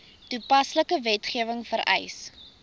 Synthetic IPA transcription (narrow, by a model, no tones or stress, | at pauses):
tupɐsləkəvɛtχiəvəŋfəɾʔɛ̰js